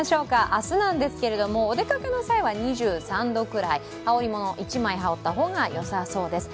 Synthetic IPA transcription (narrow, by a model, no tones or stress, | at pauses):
ɕo̞ːkaʔasɨnãnd̪e̞sɨ̥ke̞ɾe̞d̪o̞mo̞ːd̪e̞kakɯno̞saiβaɲ̟iʑɨːsãnd̪o̞kɯ̟ɾai | hao̞ɾʲimo̞no̞ʔit͡ɕimaiɦao̞t̪ːaɦo̞ːɡajo̞saso̞ːd̪e̞sɨ̥